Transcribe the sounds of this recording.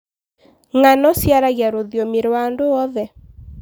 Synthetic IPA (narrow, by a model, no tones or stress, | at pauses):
ŋanɔsjaɾaɣjaɾoðjomeɾwandoɔðɛ